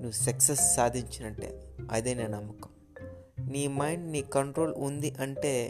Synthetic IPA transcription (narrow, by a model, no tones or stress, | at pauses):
nuʋusɐksesːaːd̪ʱiɲt͡ʃinɐɳʈːḛːɐ̰d̪eːneːnɐmːɐkɐm | niːmɐjɳɖniːkɐɳʈɾo̞ːlund̪iʔɐɳʈe̞ː